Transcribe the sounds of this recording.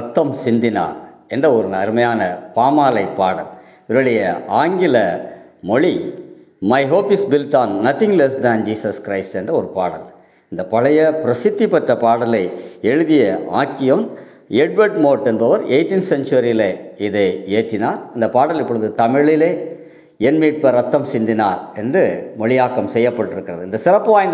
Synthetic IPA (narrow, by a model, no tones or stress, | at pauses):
ɐt̪ːɐmsɪnd̪ɪna̰ːɾɛndrɐɔɾɯnɐɾɯmɐjaːnɐpaːmaːlɐɪpːaːɽɐl | ɪɾɐɭɪjɐaːŋɡɪlɐmɔɻi | mɐɪɦoːpɪsbɪlʈaːnːɐt̪ɪ̃ŋɡlɛsd̪ænd͡ʒiːsɐskɾɐɪsʈɛndrɐɔɾɯpaːɽɐl | ɪnd̪ɐpɐɭɐjɐpɪɾɐsɪt̪ːipːɐʈrɐpaːɽɐlɐɪɛɻɯðɪjɐa̰ːkːɪjɐn | ɛɖ̚ʋɐʈmoːʈːɛnbɐʋɐɾeɪʈːinsɛnt͡ʃɐɾileɪðɐɪeːʈrɪnaːɾɪnd̪ɐpaːɽɐlɪpːɔɽɯðɯt̪ɐmɪɭɪleː | ɛnmiːʈ̚pɐɾɐt̪ːɐmsɪnd̪ɪnaːɾɛndrɯmɔɭɪjaːkːɐmsɛjːɐpːɐʈːɪɾɯkːɪrɐðɯɪnd̪ɐsɪrɐpːʋaːjɪnd̪